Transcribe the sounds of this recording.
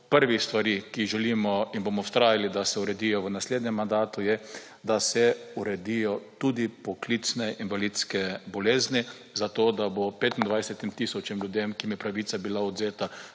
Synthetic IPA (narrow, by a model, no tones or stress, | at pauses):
pəɾʋist̪ʋaɾikiʒɛlimɔinbomɔst̪ɾaːjalid̪asɛuɾɛd̪ijɔʋənasleːd̪ɲɛmːand̪aːt̪ujɛ | d̪asɛuɾɛd̪ijɔt̪ud̪ipɔklit̪snɛʔinʋalit̪skɛbɔleːzni | zat̪oːd̪abopeːt̪ind̪ʋajsɛt̪imt̪isɔt͡ʃɛmljud̪emkimjɛpɾaʋiːt̪sabilaɔd̪zeːt̪a